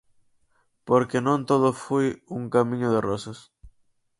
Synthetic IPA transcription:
poɾkenõnt̪oðʊfujuŋkamĩɲʊðerosas

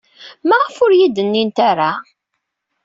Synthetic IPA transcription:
mæʁəfʊɾjid̪ənːint̪aɾa

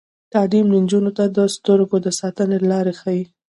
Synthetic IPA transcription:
t̪alimd̪ənd͡ʒunot̪ad̪əst̪əɾɡod̪əsɑt̪ənelɑɾexawi

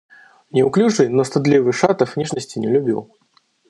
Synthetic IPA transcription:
nʲɛwklʲut͡ʂɨjnɔst̪ad̪lʲivɨʂat̪ɐfnʲiʐnɐsʲt͡sʲinʲɛlʲubʲḭw

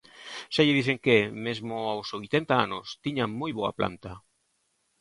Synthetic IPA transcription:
ʃaʎɪðiθeŋkemezmʊawsojt̪ent̪aa̰nʊst̪iɲaŋmojβoa̰plʔa̰nt̪a

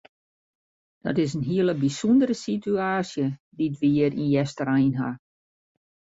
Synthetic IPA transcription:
d̥ɔ̰tɪs̬ənɦiələbisundəɾəsityaːsjəditʋiərinjɛstərajnɦa̰

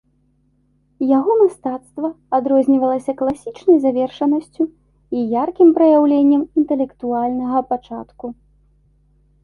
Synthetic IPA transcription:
jaɣɔmast̪at̪st̪vɐ | ad̪ɾɔzʲnʲivɐlˠɐsʲɐklˠasʲit͡ʂnɐjzavʲɛrʂɐnɐsʲt͡sʲu | ijarkʲimpɾɐjawlʲenʲːɐmint̪ɛlʲɛkt̪ualʲnɐɣɐpat͡ʂa̰t̪ku

